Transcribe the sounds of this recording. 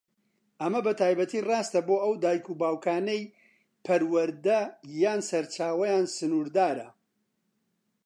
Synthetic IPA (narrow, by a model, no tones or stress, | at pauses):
ʔɐmɐbɐt̪ʰaːjbɐt̪ʰiːrɑːst̪ɐboːʔɐwd̪aːjkubaːwkʰaːnej | pʰɐɾwɐɾd̪ɐjaːnsɐɾt͡ʃaːwɐjaːnsɨnuːɾd̪aːɾɐ̰